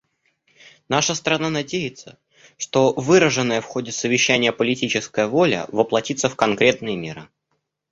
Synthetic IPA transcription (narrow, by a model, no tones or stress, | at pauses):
naʂəst̪əɾɐnanɐdʲejɪt̪sə | ʂt̪o̞vɨɾəʐɨnːəjəfxo̞dʲɪsəvʲɪɕːænʲɪjəpəlʲɪtʲit͡ɕɪskəjəvo̞lʲə̰vəplˠɐtʲit̪səfkɐnkɾʲe̞t̪nɨjəmʲeɾɨ